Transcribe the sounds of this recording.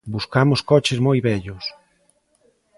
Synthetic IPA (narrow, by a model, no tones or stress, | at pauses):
buskamʊskɔt͡ʃɪzmojβɛʎʊs